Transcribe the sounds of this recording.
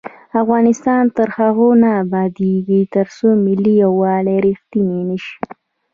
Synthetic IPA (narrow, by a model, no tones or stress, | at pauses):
afɣɑnɪst̪ɑnt̪əɾhaɣonaːbɑd̪eɡit̪əɾsomɪlːijawːɑleɾixt̪inenəʃi̥